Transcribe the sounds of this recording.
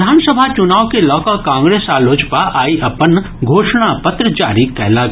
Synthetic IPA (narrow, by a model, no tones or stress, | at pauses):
d̪ʱaːnsəbʱat͡ʃʊnaːʋkelɔːkakãːŋɡɾeːsaːloːt͡ʃpaʔaːiʔɐpən | ɡʱoːʃɽ̃apət̪ɾət͡ʃaːɾikɛɦla